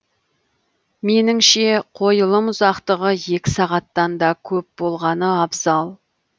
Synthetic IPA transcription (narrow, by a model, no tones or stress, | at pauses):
me̞nɪŋʃe̞qʰo̞jəlˠəmʊzɑqt̪əʁəje̞kʲɪsɑʁɑt̪ːɑnd̪ɑkʲʰɵp̚b̥o̞lˠʁɑnəɑbzɑlˠ